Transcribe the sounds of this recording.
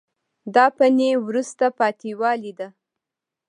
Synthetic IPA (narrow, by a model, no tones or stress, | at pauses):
d̪ɑpanewɾust̪apɑt̪iwɑlid̪a